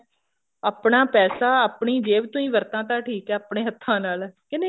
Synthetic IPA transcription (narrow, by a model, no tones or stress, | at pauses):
aːpɳaːpɛːsaːaːpɳiːd͡ʒeːʋt̪ʊĩːʋəɾt̪ãːt̪ãːʈʰiːkɛːapɳeːɦət̪ʰːãːnaːlɛːkɪ̃nd̪e